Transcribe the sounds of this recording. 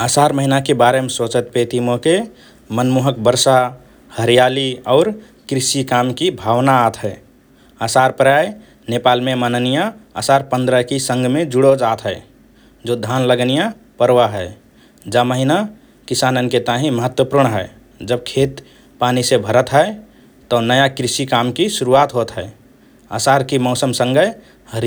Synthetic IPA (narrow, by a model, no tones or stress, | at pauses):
əsaɾməɦinakebaɾemesot͡ʃət̪̚pet̪imoke | mənmuɦəkbəɾsa | həɾijaliɔːɾ | kɾisikamkibʱawnaːt̪ʰɦəɪ | asaɾpɾaj | nepalmemənənijaa̰saɾpə̃nd̪ɾəkisə̃ŋɡmẽd͡ʒuɽod͡ʒat̪ɦəe | d͡ʒod̪ʱanləɡnija | pəɾwaɦɛɪ | d͡ʒaməɦina | kisanənket̪aɦĩməɦət̪wəpuɾɳɦɛ | d͡ʒəb̚kʰet̪ | panisebʱəɾət̪ɦə | t̪ɔnəjakɾisikamkisuɾuat̪ɦot̪ɦɛe | a̰saɾkimɔʊsəmsə̃ŋɡə | həɾi